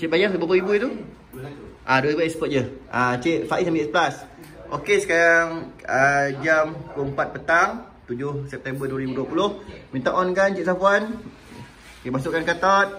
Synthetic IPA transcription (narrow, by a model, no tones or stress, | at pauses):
t͡ʃeʔbajabapəibuit̪u | ʔaduəibuɛspət̪̚d͡ʒəʔat͡ʃeʔfaʔisamiɛsəbəlas | ʔokesə̥kaɾaŋəd͡ʒamkuəmpat̪̚pət̪aŋ | t̪ud͡ʒʊhsɛp̚t̪ɛmbəduəɾibuduəpulʊhmĩnt̪aʔɔnkant͡ʃeʔ̚safuan | kemasʊʔkːankat̪at̪̚